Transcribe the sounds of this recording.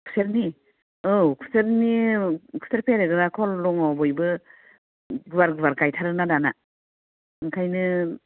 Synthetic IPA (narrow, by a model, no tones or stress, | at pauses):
kʰu̥seɾni | ɯwkʰu̥seɾnikʰu̥seɾpʰeɾɯɡɯɾakʰɔlɾɔŋɔbɔjbɯ | ɡɯbaɾɡɯbaɾɡajtʰaɾɯnadana | ŋkʰajnɯ